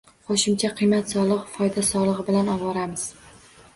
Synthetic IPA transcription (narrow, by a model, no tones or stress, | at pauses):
qʰoʃɪmt͡ʃʰaqʰɨjmat̪sɒlˠɨqfɒjd̪asɒlˠɨʁɨbɪlanɒwɒɾamɪz̥